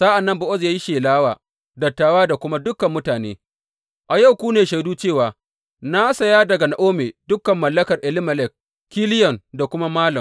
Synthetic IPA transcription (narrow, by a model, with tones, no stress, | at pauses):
saː˦ʔa˨nːɐ˦mbʊ˨ʔɔ˦zjaː˦ji˦ʃeː˨laː˦waː˨ | dɐ˨tːaː˨waː˦da˨kʷʊ˦ma˦dʊ˦kːɐ˨mːʊ˦taː˨nḛː˦ | ʔa˨ja˦wkʷuː˦neː˨ʃa˨jduː˦t͡ʃeː˦˨waː˨ | na˦sɐ˨jaː˦dɐ˨ɡa˨na˨ʔoː˦meː˨dʊ˦kːɐ˨mːɐ˨lːɐ˦kɐ˨rʔɛ˨lɪ˦mɐ˨lɛ˦˨k̚ | kːi˦lɪ˦jɔ˨nda˨kʷʊ˦ma˦maː˦lɐ˨m